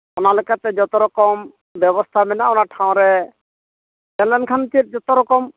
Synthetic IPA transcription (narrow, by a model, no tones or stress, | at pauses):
ɔnalokat̪ɛd͡ʒɔt̪ɔɾɔkɔm | bɛbɔst̪ʰamɛnaɔnaʈʰãw̃ɾɛ | d͡ʒɛnlɛnkʰant̪iɾd͡ʒɔt̪ɔɾɔkɔm